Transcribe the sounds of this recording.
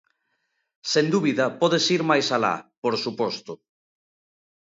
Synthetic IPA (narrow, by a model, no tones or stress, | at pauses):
send̪uβiðɐpɔðesiɾmajsala̰poɾsupɔst̪o